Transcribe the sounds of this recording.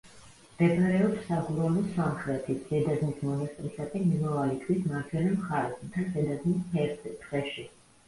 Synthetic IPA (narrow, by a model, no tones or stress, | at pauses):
d̥̪ɛpʰʼaɾɛɔpsːaɡuɾalɔsamχɾɛt̪ʰit̪ʰz̥ɛd̪azmismɔnast̪ʼɾisak̪ʼɛnimavalit̪ʰwisʰmaɾt͡ʃʰɛlɛmχaɾɛsut̪ʰanzɛd̪azmishɛɾtt̪ʰvɛʃi